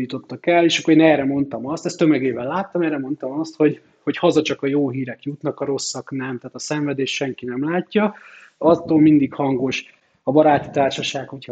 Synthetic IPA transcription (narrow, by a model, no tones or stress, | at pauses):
ut̪o̞t̪ːɒkɛlːeːʃɒkːoɾeːnɛːrɛmo̞nt̪ɒmɒst̪ɛst̪ːømɛɡeːvɛlːaːt̪ːɒmɛːrɛmo̞nt̪ɒmɒst̪ho̞ɟ | ho̞chɒzɒt͡ʃɒkɒjoːɦiːɾɛkjut̪nɒkɒɾo̞sːɒknɛmt̪aːt̪ɒsɛɱvɛd̪eːʃʃɛŋkinɛmlaːcːɒ | ɒt̪ːoːlmind̪ikhɒŋɡo̞ʃ | ɒbɒɾaːt̪i̥t̪aːrʃɒʃaːkho̞cʰ